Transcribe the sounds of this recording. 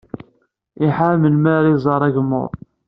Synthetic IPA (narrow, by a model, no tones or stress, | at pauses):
iħaməlmæɾizˤɑɾˤæʝmːʊ̰ɾˤ